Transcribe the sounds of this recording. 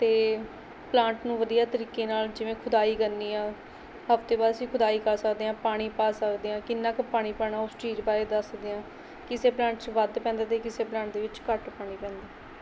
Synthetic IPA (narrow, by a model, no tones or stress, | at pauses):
t̪eː | plãːɳʈnũːʋəd̪ijaːt̪əɾiːkeːnaːld͡ʒɪʋẽːkʰʊd̪aːiːkənːiːãː | ɦəft̪eːbaːd̪əsĩːkʰʊd̪aːiːkəɾsəkd̪eːãːpaːɽ̃iːpaːsəkd̪eːãːkɪnːãːkəpaːɽ̃iːpaːɽaːʊst͡ʃiːd͡ʒbaːɾeːd̪əsd̪eːãː | kɪseːplãːɳʈt͡ʃʋəd̪pɛ̃ːnd̪aːt̪eːkɪseːplãːɳʈ̚d̪eːʋɪt͡ʃkəʈpaːɽ̃iːpɛ̃ːnd̪aː